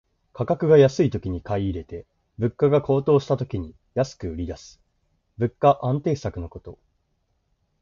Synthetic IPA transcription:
kʰakakɯ̟ɡajasɨit̪o̞kʲiɲ̟ikaiːɾe̞t̪e̞ | bɯ̟kːaɡakʰo̞ːt̪o̞ːɕi̥t̪at̪o̞kʲiɲ̟i | jasɨ̥kɯ̟ɯ̟ɾʲid̪asɨ̥ | bɯ̟kːaʔãnt̪e̞ːsakɯ̟no̞ko̞t̪o̞

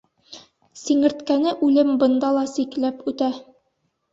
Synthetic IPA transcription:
siŋɘ̆ɾt̪kænɘʔʉlɘmbɤ̆nd̪ɑlˠɑsiklæpʉt̪æ

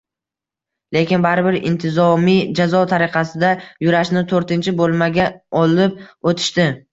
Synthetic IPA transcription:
le̞kʲɪnbaɾɪbɪɾɪ̰nt̪ʰɪzɒmid͡ʒazɒt̪ʰaɾɪqʰɑsɪd̪ajʊɾaʃnɪt̪ʰoɾt̪ɪnt͡ʃʰɪbolˠmaɡʲaɒlɪp̚ot̪ʰɪ̥ʃt̪ɪ

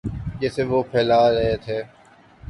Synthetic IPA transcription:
d͡ʒɛːseʋoːpʰɛːlaːɾɐɦet̪ʰeː

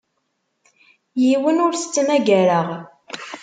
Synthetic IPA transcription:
jiwənʊɾθə̥t͡sːmæɡæɾəʁ

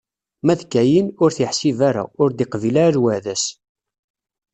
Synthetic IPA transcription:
mæðkːæjinʊɾθiħsivaɾa̰ʊɾd̪iqvilaɾɾwæðæs

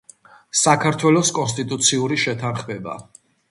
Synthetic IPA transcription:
sakʰaɾt̪ʰwɛlɔskʼɔns̬t̪ʼit̪ʼut̪sʰiuɾiʃɛt̪ʰanχmɛba̰

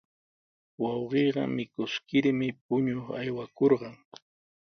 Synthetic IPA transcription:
wɑwɢeːɢɑ̰mɪkʊskɪɾmɪp̚ʊɲoχajwakoɾɢɑŋ

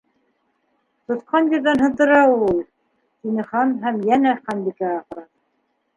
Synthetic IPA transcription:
t̪ŏθqɑnjɘ̆ɾðænɦɤ̆ðd̪ɤ̆ɾɑulˠ | t̪inɘ̆χɑnɦæmjænæχɑnbikæɑʁɤ̆ɾɑ

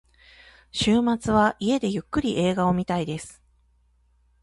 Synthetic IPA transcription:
ɕɨːmat͡sɨβaʔie̞d̪e̞jɯ̟kːɯ̟ɾʲiʔe̞ːɡao̞mʲit̪aid̪e̞sɨ̥

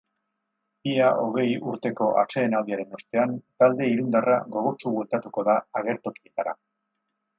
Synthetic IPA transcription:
iaʔo̞ɣ̞e̞juɾt̪e̞ko̞ʔa̰t͡se̞ːnald̪iaɾe̞no̞st̪e̞ant̪ald̪e̞iɾund̪ara̰ɣo̞ɣ̞o̞t͡ʃuɣwelt̪at̪uko̞ðaːɣ̞e̞ɾt̪o̞kie̞t̪aɾa̰

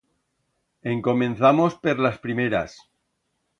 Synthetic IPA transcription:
e̞ŋko̞mẽ̞nθamo̞speɾlaspɾimeɾa̰s

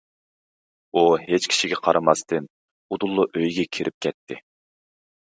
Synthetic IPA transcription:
uhet͡ʃkʲʰi̥ʃiɡʲɛqʰɑɾʔɑmɑst̪ʰɨn | ud̪ulˠːuʔøjɡʲɛkʲʰiɾʔɪp̚kʲʰɛt̪ʰːɪ

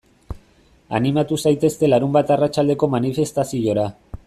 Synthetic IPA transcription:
a̰nimat̪usajt̪e̞st̪e̞laɾumbat̪arat͡ʃald̪e̞ko̞manife̞st̪asio̞ɾa

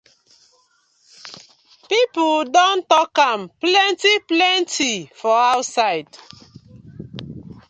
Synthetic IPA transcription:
pipldɔ̃ntɔkãmplɛ̃ntiplɛ̃ntʰifɔaʊtsaɪd̥

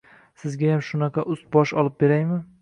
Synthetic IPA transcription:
sɪzɡʲajamʃʊnɑqʰɑʔʊst̪̚bɒʃɒlˠɪp̚be̞ɾajmɪ

